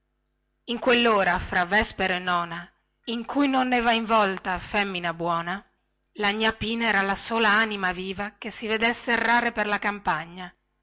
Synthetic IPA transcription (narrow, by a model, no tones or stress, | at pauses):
iŋkwelːoːɾafɾavːɛspeɾoenɔːna | iŋkʰujnonːɛːvaiɱvɔlt̪afɛmːinabwɔːna | laɲːapiːnɛːɾalasoːlaaːnimaviːvakesːived̪esːeːrːaːɾeperlakampaɲːa